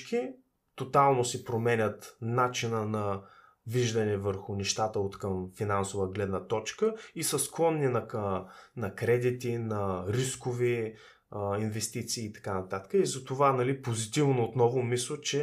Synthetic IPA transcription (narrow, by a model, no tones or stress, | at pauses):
ki | t̪ot̪alˠnosɛpɾomɛnʲət̪nat͡ʃinənɐ | viʒd̪ɐnɛvəɾxʊnɛʃt̪at̪əot̪kəmfinansovəɡlɛd̪nət̪ɔt͡ʃkəisəsklˠɔnːinɐ | nɐkɾɛd̪it̪inɐɾiskovi | invɛst̪it̪siːt̪ɐ̥kanɐt̪at̪ə̥kəizɐt̪ovanɐlipozit̪ivnoːt̪nɔvʊmislˠət͡ʃɛ